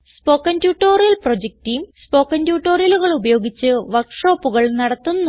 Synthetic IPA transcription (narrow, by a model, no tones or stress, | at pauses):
spo̞ːkːɐntjuːʈːoːrijɐlprod͡ʑek̚tijumspo̞ːkːɐntjuːʈːo̞ːrijɐluɣɐɭubɐjo̞ːɡit͡ɕːɨʋɐrkʂo̞ːpːuɣɐɭnɐɽɐt̪ːunːu